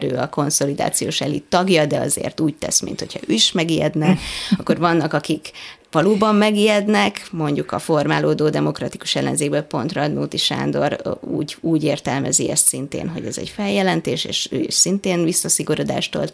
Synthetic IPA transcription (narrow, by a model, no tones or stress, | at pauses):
ɾø̰ːɒko̞nso̞lid̪a̰ːt̪sijoːʃɛlit̪ɒɡjɒd̪ɛɒ̰zḛːrt̪uːc̚t̪ɛ̰smḭnt̪ho̞chɒ̰øːiʃmɛɡijɛ̰d̪nɛɒkːo̞rvɒnːɒkɒkikʋɒloːbɒmːɛɡijɛd̪nɛkmo̞ɲɟukɒfo̞rmaːloːd̪oːd̪ɛmo̞krɒt̪iku̥ʃɛlːɛ̰nzeːɡ̚bøːlpo̞nt̪rɒd̪nuːt̪iʃa̰ːnd̪o̞̰ɾṵːɟuːɟeːrt̪ɛlmɛziɛst̪sint̪ḛːnɦo̞̰ɟɛzɛ̰ɟfɛljɛlɛnt̪eːʃḛːʃø̰ːḭʃsint̪eːnvisːɒsiɡoɾod̪a̰ːʃt̪ol